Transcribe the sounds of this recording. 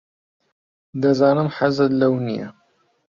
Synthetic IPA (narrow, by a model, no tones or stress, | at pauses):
d̪ɐzaːnɨmħazɨd̪lɐwnijɐ̰